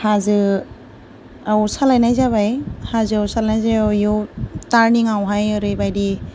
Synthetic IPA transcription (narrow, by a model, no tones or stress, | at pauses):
hazɯ | ausalajnajzaβajhazɯawsalnajzajjutaɾniŋawɦajɯɾɯjbajdi